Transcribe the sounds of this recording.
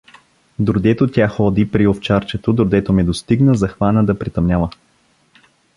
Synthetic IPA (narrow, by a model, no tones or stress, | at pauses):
d̪oɾd̪ɛt̪ot̪ʲaxɔd̪ipɾioft͡ʃaɾt͡ʃɛt̪od̪oɾd̪ɛt̪omɛd̪ost̪iɡnəzɐxvanəd̪ɐpɾit̪ɐmnʲavə